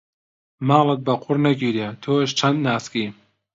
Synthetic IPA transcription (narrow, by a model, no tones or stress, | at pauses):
mɑːlˠɨt̪̚bɐqʰʊrnɐɡiːɾjet̪ʰoːʃ̬t͡ʃʰɐnd̪naːskiː